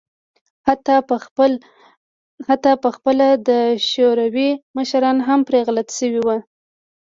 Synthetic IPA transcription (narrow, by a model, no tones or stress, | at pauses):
t̪ | hat̪ɑpəxpəlad̪əʃoɾawiməʃɾɑnɦampɾeɣlat̪ʃəwiwa